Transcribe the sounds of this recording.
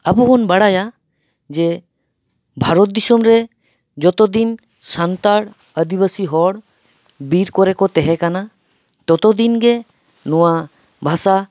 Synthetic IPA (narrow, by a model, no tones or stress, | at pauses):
əbuɦɔnbaɽaja | d͡ʒɛ | bʱaɾɔt̪̚d̪isɔmɾɛ | d͡ʒɔt̪ɔd̪in | sant̪aɽ | əd̪ibəsiɦɔɽ | biɾkɔɾɛkɔt̪ɛɦɛkana | t̪ɔt̪ɔd̪inɡɛ | nɔwa | bʱasa